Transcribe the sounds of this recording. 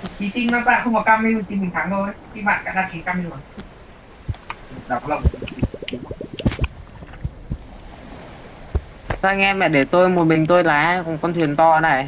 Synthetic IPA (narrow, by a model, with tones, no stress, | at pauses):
i˨˦t͡ɕï˧ŋnɔ˨˦za̰ː˧˨jxə˧wŋ͡mkɔ˨˩kaː˧mi˧˨t͡ɕi˧nmi˨˩ŋt̪ʰaː˨˦ŋzo˧˩˨xi˧ma̰ː˧˨nka̰ː˧˥nɗaː˧˩mki˨˦kaː˧mi˧˨˦ | ɗaː˨˩kɔ˨˦laə˧˩m˨˩˨i˧˩i˧˨˦ | a˧jŋ̟ʔɛ˧mɛ̰˧˨ɗe˧˩t̪o˧jmo˨˩t̚mï˨˩ŋ̟t̪o˧jlaː˨˦kkɔ˨˧˦nt̪ʰwi˨˩ənt̪ɔ˧na˨˩j